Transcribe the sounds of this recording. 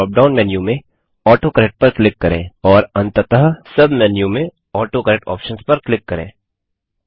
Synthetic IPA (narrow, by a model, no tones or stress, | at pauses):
ɔːp̚ɖaːʊnmɛːnjumẽ | ɔːʈokɐɾek̚ʈ̚pɐɾklɪkːɐɾḛ̃ːɔːɾɐ̃nt̪ət̪əɦəsɐbmɛːnjũmẽ | ɔːʈokɐɾek̚ʈɔ̰ːpʃə̃nspɐɾklɪkːɐɾḛ̃ː